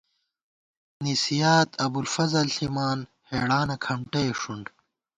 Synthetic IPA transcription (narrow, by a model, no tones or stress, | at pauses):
nisijaːt̪ɐbulfɐzɐlɬimaːn | heːɽaːnɐkʰɐmʈeʂuɳɖ